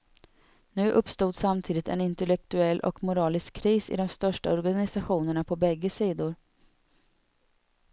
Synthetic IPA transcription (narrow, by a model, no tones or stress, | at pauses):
nʉ̟ːʔɵpːst̪uːd̪samt̪ʰiːd̪ɪt̪ʰɛ̰nɪnt̪ɛlɛk̚t̪ɵɛlːʔɔ̰kmʊɾɑːlɪskʰːɾiːsɪ̰d̪ɔmst̪œʂʈaɔɾɡanɪsaɧuːnəɳapʰɔbɛɡːəsiːd̪ʊɾ